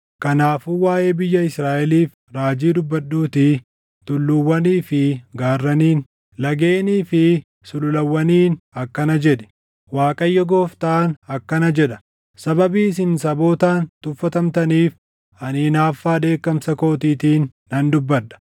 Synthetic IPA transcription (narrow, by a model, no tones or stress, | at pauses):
kɐnaːfuwaːjeːbɪjːɐɪsɾaːʔɛliːf | ɾaːd͡ʒiːd̪ʊbːɐɗːuːt̪ɪ | t̪ʊlːʊwːɐniːfɪɡaːrːɐniːn | lɐɡe̞ːniːfɪ | sʊlʊlɐwːɐniːnɐkːɐnɐd͡ʒɛᶑɛ̥ | waːkʼɐjːɔɡo̞ːft̪aːnɐkːɐnɐd͡ʒɛᶑɐ̥ | sɐbɐbiːs̬ɪnsɐbo̞ːt̪aːnt̪ʊfːɐt̪ɐmt̪ɐniːf | ɐniːnaːfːaːd̪e̞ːkːɐmsɐko̞ːt̪iːt̪iːnːɐnd̪ʊbːɐᶑɐ̥